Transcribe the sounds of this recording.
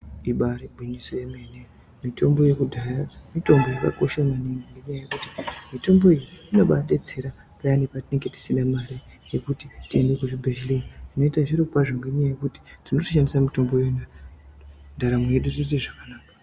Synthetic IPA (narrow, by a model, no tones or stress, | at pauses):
iɓaɾibʱwiɲisojemene | mito̞mbo̞je̞kudʱaramito̞mbo̞jaka̰ko̞ʃamaniŋɡiŋɡe̞ɲajaje̞kutimito̞mbo̞ijiino̞ɓaɗed͡zeɾa | pajanipatine̞ŋɡe̞ti̥sindamaɾi | jekutitie̞nde̞kuʐibʱeʃlinitino̞itaʐiripupaʐoŋɡeɲajajekuti̥tinotiʃandisamito̞mbo̞jna | ndaɾamweɗurit̬eʐakanaːka